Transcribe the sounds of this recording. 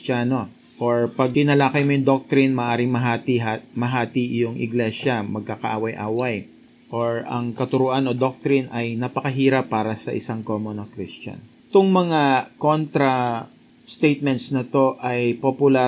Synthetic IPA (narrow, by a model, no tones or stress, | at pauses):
t͡ʃaːno̞ | ʔoɹpɐɡ̚ɪnɐlaːkɐjmojʊŋd̪ok̚t̪ɾɪnmɐʔaːɾɪŋmɐɦaːt̪iamɐɦaːt̪ijʊŋʔɪ̰ɡlɛʃɐmɐɡ̚kakɐʔaːwɐjʔa̰ːwɐj | ʔoɹɐ̰ŋkɐt̪ʊɾuːʔɐnod̪ok̚t̪ɾɪnɐjnɐpɐkɐɦiːɾɐpːaːɾɐsɐʔɪsaŋkoːmonɐkɾist͡ʃɐ̰n | t̪ʊŋmɐŋako̞nt̪ɾɐ | st̪ejt̪̚mɛnt̪snɐt̪o̞ʔɐjpopʊla